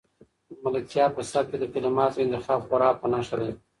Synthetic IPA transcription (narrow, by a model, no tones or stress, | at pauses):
malək̚t̪jɑpəsat̪̚ked̪əkɪlɪmɑt̪oɪnt̪ɪxɑbxaɾɑpənaʃad̪e